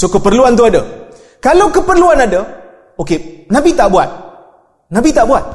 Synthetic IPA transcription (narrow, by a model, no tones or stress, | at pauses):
sokəpərluant̪̬uada | kalawkəpərluanada | okenabit̪aʔbuat̪̚ | nabit̪aʔbuat̪̚